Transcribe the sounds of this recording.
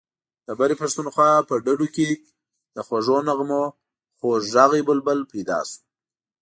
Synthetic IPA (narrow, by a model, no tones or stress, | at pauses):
d̪̥əbaɾipaʂt̪unxwɑpəɖaɖuke | d̪̥əxwaʐonaɣmo | xoʒaɣebəlbəlpajd̪ɑ̰su̥